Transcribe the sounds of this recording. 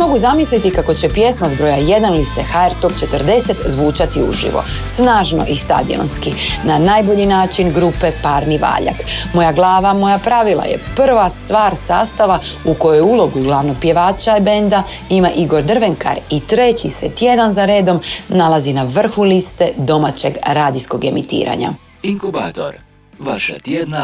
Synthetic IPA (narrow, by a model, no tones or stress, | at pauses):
mo̞ɡuzamislit̪ikako̞t͡ɕe̞pje̞smazbɾo̞jaje̞d̪anlist̪e̞xaeɾt̪o̞pt͡ʃe̞t̪ərd̪e̞se̞t̪zʋuːt͡ʃat̪iṵʒḭʋo̞̰ | snaːʒno̞̰ʔist̪a̰d̪ḭo̞̰nskinanaːjbo̞ʎinaːt͡ʃinɡɾupe̞paɾniʋa̰ːʎa̰kmo̞jaɡlˠaːʋamo̞japɾaʋilˠa̰jḛpr̩ʋast̪ʋaːɾsa̰ːst̪aʋauko̞jojulˠo̞ɡuɡlˠaʋnopjeʋaːt͡ʃaibe̞nd̪aimaʔiɡo̞ɾd̪r̩ʋe̞ŋka̰ɾit̪ɾe̞t͡ɕiset̪je̞d̪anzaɾe̞ːd̪o̞mnalazinaʋr̩xulist̪e̞d̪o̞mat͡ɕe̞ɡɾaːd̪isko̞ɡe̞̰mit̪ḭːɾa̰ɲa̰